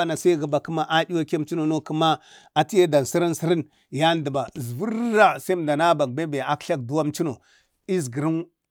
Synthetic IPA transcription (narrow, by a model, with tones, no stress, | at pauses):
a˨na˨sa˦i˦ɣi˨ba˨ki˦ma˦ʔa˦di˦wa˦ke˦m˨˦t͡ʃi˦no˨no˦ku˦ma˦ | a˨ti˦ja˦da˨n˨si˦ɾi˦n˦si˦ɾi˦n | ja˦n˦də˨ba˨zvu˦ɾa˦sa˦i˦m˨da˨na˦ba˨k̚ba˦be˨a˨kɬa˦k̚du˦wa˦m˦t͡ʃi˦no˨ | i˦zɡi˨ɾi˦n